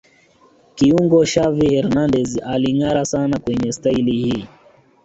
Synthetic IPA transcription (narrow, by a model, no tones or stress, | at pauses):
kiuŋɡɔʃavihɛɾnandɛzialiŋaɾasanakwɛɲɛstailihiː